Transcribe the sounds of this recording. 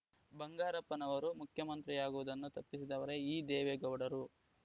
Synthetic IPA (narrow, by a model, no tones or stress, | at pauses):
bɐŋɡaːɾɐpːɐnɐʋɐɾumukʰjɐmɐnt̪ɾijaːɡuʋud̪ɐnːut̪ɐpːisid̪ɐʋɐɾe̞iːd̪ɛːʋeɡɐwɽɐɾu